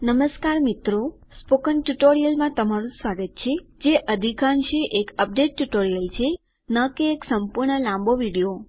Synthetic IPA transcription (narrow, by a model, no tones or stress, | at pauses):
nəməskaɾmit̪ɾo | spokənʈuʈoɾijəlmãt̪əmaɾũsʋaɡət̪̚t͡ʃʰed͡ʒeʔəd̪ʱikãnʃeʔekəp̚ɖeʈːuʈoɾijəlt͡ʃʰe | nəkeːksəmpuɾɳəlãmboʋiɽijo